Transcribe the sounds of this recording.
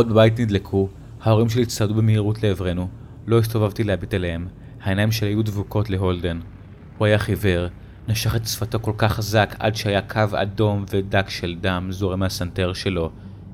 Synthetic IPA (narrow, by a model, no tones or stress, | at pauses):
od̚bebajitnidlekʰu | hao̞ʁimʃelist̪adubemeiʁutle̞ːvʁe̞nu | lo̞is̬t̪ovavt̪ileabitelehem | haenajimʃelhajudvuko̞tle̞ɦo̞lde̞n | huajaχive̞ʁ | naʃaχet̪sfato̞ko̞lkaχazaka̰dʃehajakʰava̰do̞mve̞dakʃeldamzoʁemeasanteʁʃe̞lo̞